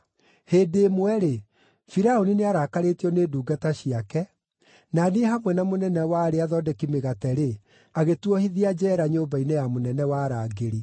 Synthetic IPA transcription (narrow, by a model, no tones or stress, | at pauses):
heːdeːmwɛɾe | fiɾaonineaɾaːkaɾetiɔneːduːɡataɕiakɛ | naneɦamwɛnamonɛnɛwaɾeaðɔdɛkimeɣatɛɾe | aɣetwɔhiðiad͡ʒɛɾaɲobainejamonɛnɛwaːɾaɡeɾi